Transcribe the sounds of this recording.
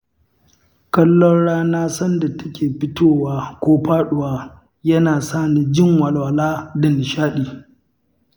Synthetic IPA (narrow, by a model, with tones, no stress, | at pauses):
kɐ˦lːɔ˦nɽaː˦naː˦sɐ˦nda˨tɐ̥˦kʲeː˨ɸɪ˦toː˦˨waː˦kʷoː˦ɸaː˦ɗʊ˨waː˨˦ | jɐ˦naː˨saː˦˨ni˨d͡ʒɪ˦ŋwɐ˨lwa˨laː˦dɐ˨nɪ˨ʃaː˦ɗiː˨